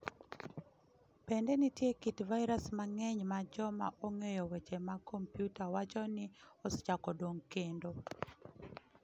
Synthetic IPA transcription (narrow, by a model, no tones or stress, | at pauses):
pendɛnitjekitvajɾasmaŋɛɲmad͡ʒɔma̰ʔoŋejɔwet͡ʃemakompjutawat͡ʃɔnɪɔst͡ʃakɔdoŋkendo